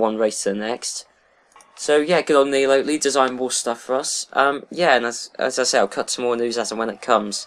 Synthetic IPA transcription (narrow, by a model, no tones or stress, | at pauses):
wʌ̃nɹeɪstʰəðənɛkst | soʊjæɡ̥ɛɾn̩ðiloʊʔlidɪzãɪ̃nwɔːstʌfəɹʌsʔʌ̃mjæə̃nəzə̰zaɪseɪaɪlˠkʰʌtsʰə̃mɔːɹnʉːzatə̃nwə̃nɪʔ̚kʰʌ̃mz̥